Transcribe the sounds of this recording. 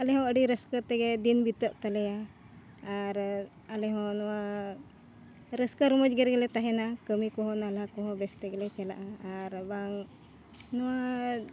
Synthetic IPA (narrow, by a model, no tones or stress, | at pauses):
alɛɦɔ̃əɖiɾəskət̪ɛɡɛd̪inbit̪əʔt̪alɛjaː | ɾ | alɛɦɔ̃nɔwa | ɾəskəɾmɔd͡ʒɡɛɾɡɛlɛt̪aɦɛnakəmikɔɦɔ̃nalakɔ̃ɦɔ̃bɛst̪ɛɡɛlɛt͡ʃɛla̰ʔaaɾbaŋ | nɔwa